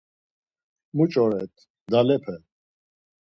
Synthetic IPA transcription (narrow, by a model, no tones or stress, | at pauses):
mut͡ʃʼɔɾɛt̪ʰ | d̪alɛpʰɛ